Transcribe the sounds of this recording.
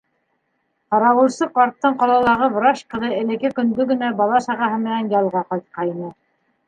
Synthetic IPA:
qɑɾɑwɤ̆lˠsɤqɑɾt̪ːɤɴqɑlˠɑlˠɑʁɤvɾɑʃkɤ̆ðɤɘ̆lɘ̆kɘkɵ̆ŋd̪ɵɡɘ̆næbɑlˠɑʃɑʁɑɦɤmɘ̆nænjɑlˠʁɑqɑjt̪̚qɑjinɤ

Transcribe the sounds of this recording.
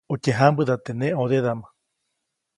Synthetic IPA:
ut͡ʃeɦambɨðat̪enẽʔoðeðama

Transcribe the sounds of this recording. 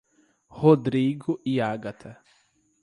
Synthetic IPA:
hod̪ɾiɡʊʔiaɡat̪ʰɛ

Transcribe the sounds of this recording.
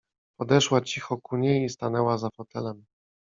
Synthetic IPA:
pɔd̪ɛʂwat͡ɕixɔkuɲejist̪anɛwazafɔt̪ɛlɛm

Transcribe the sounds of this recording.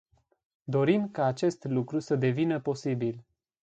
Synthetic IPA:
d̪o̞ɾimkaːt͡ʃe̞st̪lukɾusəd̪e̞vinəpo̞sibil

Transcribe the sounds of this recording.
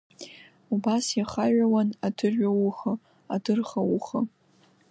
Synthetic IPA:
ubasjaχaɥawanadʰɨrʒʷawuχə | adɨrχawuχə

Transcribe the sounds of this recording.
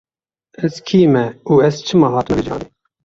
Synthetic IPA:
ɛzkʰiːmɛuːɛzt͡ʃʰɨmɑːɦɑːt̪əmɛbɨd͡ʒɑ̰ːni

